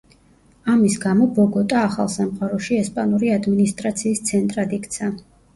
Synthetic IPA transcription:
amisɡamɔbɔɡɔt̪ʼaːχa̰lˠsamqʼaɾɔʃiɛspʼanuɾiad̪minist̪ʼɾat̪sʰiːst̪sʰɛnt̪ʼɾad̪ikt̪sʰa

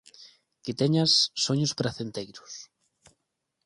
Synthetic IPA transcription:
kɪt̪eɲasːoɲʊspɾaθent̪ejɾʊs

